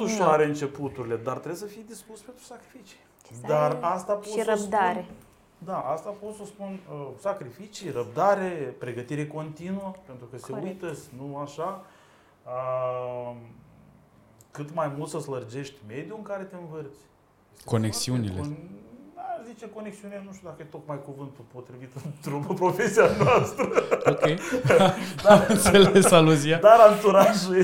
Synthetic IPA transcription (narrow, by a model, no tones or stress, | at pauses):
uʃaɾeɨnt͡ʃe̞put̪uɾile̞d̪art̪ɾebsəfijed̪ispuspe̞nt̪ɾu̥sakɾifit͡ʃi̥ | d̪arast̪aposɾəbd̪aɾe | d̪aʔast̪apo̞t̪sospunsakɾifit͡ʃijrəp̚d̪aɾepɾe̞ɡət̪iɾe̞ko̞nt̪inuəpent̪ɾukəseujt̪əsʲnuaʃa | ə | kɨt̪majmult̪səslərd͡ʒe̞ʃt̪ʲme̞d̪juɨŋkaɾe̞t̪eɨnvɨrt̪sʲ | eseko̞neksiunilend̪azit͡ʃeko̞neksiunienuʃt̪jud̪akəjet̪o̞kmajkuvɨnt̪upo̞t̪ɾivit̪ɨnt̪ɾupəpɾo̞fe̞sijanoast̪ɾəokej | d̪aɨnt̪selesaluziad̪aɾalt̪uɾaʒue